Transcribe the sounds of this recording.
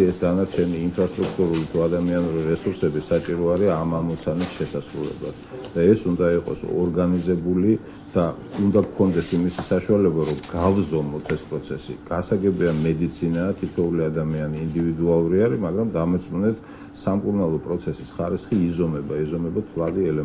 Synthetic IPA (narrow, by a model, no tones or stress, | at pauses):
ɛsd̪anaɾt͡ʃʰɛniːmpʰɾast̪ʼɾukʰt̪ʼuɾulit̪ʰuad̪amianuɾiɾɛsuɾsɛbisat͡ʃʼiɾɔaɾiamamɔt̪sʰanisʃɛsasɾulɛ̰blˠa̰d̪̥d̪̥aɛsund̪aiqʼɔ̰sɔ̰ɾɡanizɛbuli | d̪̥a | und̪akʰɔnd̪ɛsimisisaʃualɛbaɾɔɡ̥avzɔmɔt̪ʰɛspʼɾɔt̪sʰɛsḭɡ̥asaɡɛbiamɛd̪it̪sʰinat̪ʰit̪ʰɔuliad̪amianiːnd̪ivid̪ualˠuɾiaɾimaɡɾamd̪amɛt̪sʼmunɛt̪ʰ | samkʼuɾnalˠɔpʼɾɔt̪sʰɛsisχaɾisχiːzɔmɛbaizɔmɛbat̪ʰlˠad̪iɛlɛ